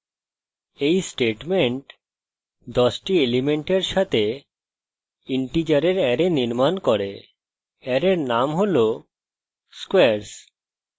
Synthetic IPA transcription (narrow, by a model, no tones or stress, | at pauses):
ejsʈeʈmeɳʈ | d̪ɔsʈielimeɳʈeɾʃat̪ʰe | iɳʈid͡ʑaɾeɾɛɾeniɾmankɔɾe | ɛɾeɾnamɦolo | skweaɾs